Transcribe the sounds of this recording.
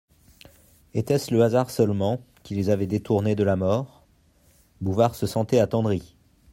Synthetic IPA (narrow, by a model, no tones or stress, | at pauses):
et̪ɛsləazaʁsœlmɑ̃ | kʲilezavɛd̪et̪uʁned̪əlamɔːʁ | buvaʁsəsɑ̃t̪ɛat̪ɑ̃d̪ʁi